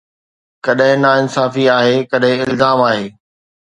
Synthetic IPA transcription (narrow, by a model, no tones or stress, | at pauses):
kɐɗɦɪ̃naɪnsaːfiaːɦeːkɐɗɦɪ̃ɪlzaːmaːɦeː